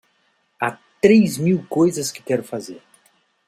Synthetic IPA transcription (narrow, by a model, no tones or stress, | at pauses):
at̪ɾejzmiwkojzɐskɪ̥kɛɾʊfazeɾ